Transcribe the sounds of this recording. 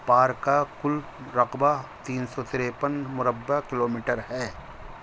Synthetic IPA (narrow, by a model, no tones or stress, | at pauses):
paːɾkakʊl | ɾɐqbat̪iːnsɔt̪ɪɾepənmʊɾəbːakɪloːmiːʈəɾɦɛː